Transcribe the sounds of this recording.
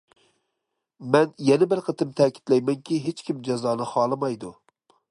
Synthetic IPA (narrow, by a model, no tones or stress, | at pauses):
mɛnjɛnɪbælqət̪ʰɨmt̪ʰɛkʲi̥t̪lɛjmɛŋkʲiɦet͡ʃkʲʰimd͡ʒɑzɑːnɨχɑːlˠɨmɑjd̪u